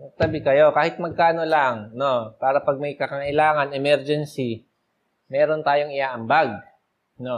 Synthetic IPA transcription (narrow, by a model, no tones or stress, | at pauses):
ɐt̪ɐbɪkɐjo̞kaːhɪt̪̚mɐɡ̚kaːno̞laŋno̞paːɾɐpɐɡ̚mɐjkɐkɐʔɪlaːŋɐnɛmɛɾd͡ʒɛnsi | mɛːɾo̞nt̪aːjoŋɪʔaːʔɐmbaɡ̚ | no